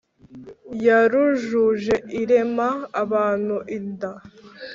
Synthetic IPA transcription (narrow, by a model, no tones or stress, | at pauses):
jaɾuʒuʒe̞iɾemaːβaːn̥uʔinda